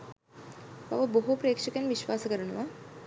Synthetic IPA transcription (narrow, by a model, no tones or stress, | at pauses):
ʋa̰ʋɐboɦupɾeːkʂəkjenʋiʃʋaːsəkəɾuɳ̃uʋa